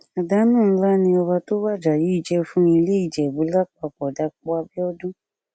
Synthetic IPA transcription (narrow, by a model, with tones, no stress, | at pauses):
a˨da˨˦nũː˦˨˦la˦nĩ˧ɔ˧ba˧to˦wa˦˨d͡ʒa˨ji˨˦i˦˨d͡ʒɛ˧fũ˦i˧le˦i˨d͡ʒɛ˨bu˨˦la˦k͡pa˧˨k͡pɔ˨da˧k͡pɔ˦a˧bi˦ɔ˦dũ˦